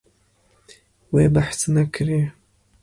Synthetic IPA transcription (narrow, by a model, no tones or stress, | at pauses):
weːbaħsɨnakʰɾe